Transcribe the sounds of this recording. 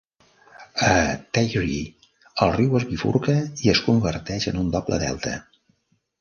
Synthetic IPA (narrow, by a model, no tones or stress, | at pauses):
ət̪ajɾi | əlˠriwəzβifṵɾkəiəskumbərt̪ɛʃənund̪ɔblə̰ðɛ̰lˠt̪ʰə̰